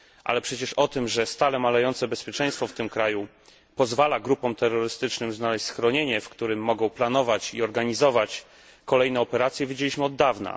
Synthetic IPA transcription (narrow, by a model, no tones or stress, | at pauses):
ʔa̰lɛpʂɛt͡ɕɛʂɔt̪ɘmʐɛst̪alɛmalajɔnt̪sɛbɛspʲjɛt͡ʂɛ̃j̃st̪fɔft̪ɘmkɾaju | pɔzvalaɡɾupɔ̃mt̪ɛrːɔɾɘst̪ɘt͡ʂnɘmznalɛɕt͡ɕʲsxɾɔɲeɲɛfkt̪uɾɘmːɔɡɔ̃w̃plan̪ɔvat͡ɕiɔɾɡaɲizɔvat͡ɕ | kɔlɛjnɛɔpɛɾat̪sʲjɛvʲid͡ʑelʲiɕmɘɔd̪ːavna̰